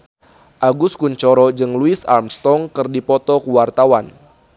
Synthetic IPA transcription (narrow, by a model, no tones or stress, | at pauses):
ʔaɡuskuɲt͡ʃɔɾɔd͡ʒɨŋluɪsa̰rmst̪ɔŋkɨrdipɔt̪ɔkuwart̪awan